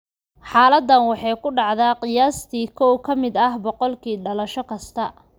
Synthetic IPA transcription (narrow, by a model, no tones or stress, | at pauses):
ħɑːlɐd̪ːɐnwɑħɑjkʰʊɖɑʕðaːqɪjaːst̪ʰiːkʰɔwkʰɐmɪd̪ɐhbɔqɔlkʰiːɖɐlɐʃɔkʰɐst̪ʰɐ